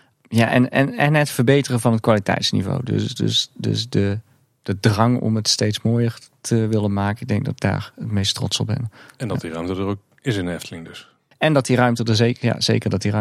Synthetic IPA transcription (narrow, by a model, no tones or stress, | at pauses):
jaʔɛ̰nɛnɛnɛtfərbejtərəvɑnətkʋaːlitɛ̰jtsnḭvo̰wdø̰sdø̰sdø̰sdə | d̥ədrɑŋɔ̰mətstejtsmoːjərtʰəʋɪlənmaːkəɪɡ̚dɛŋɡ̚dɔtda̰ːɹətmejstrɔ̰tsɔbɪ̰nɛndtdirœɥmtədərok̚ | ɪsɪnnɛftʰəlɪŋdɵs | ɛndɑtdirœɥmtədəzeja̰z̥ḛːkərdɔtir